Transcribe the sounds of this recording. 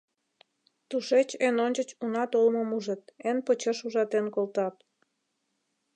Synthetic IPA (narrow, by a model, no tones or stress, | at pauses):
t̪uʃet͡ɕenonʲt͡ɕət͡ɕunɑt̪olməmuʒət̪̚enpot͡ɕəʃuʒɑt̪enkolt̪ɑt̪̚